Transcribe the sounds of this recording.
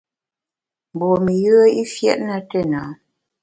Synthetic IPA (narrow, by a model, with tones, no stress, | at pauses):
m˨bɔ˨mə˨jə˦i˦fjɛ̰˦ʔna˦tə˦˨na˨˦